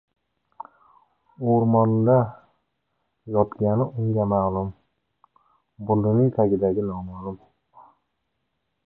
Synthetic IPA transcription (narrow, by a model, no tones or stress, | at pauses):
oɾmɒnd̪a | jɒt̪ɡʲanɪʔʊŋɡʲamalˠʊm | bʊnd̪ɪnɪŋt̪ʰaɡʲɪd̪aɡʲɪnɒmalʊm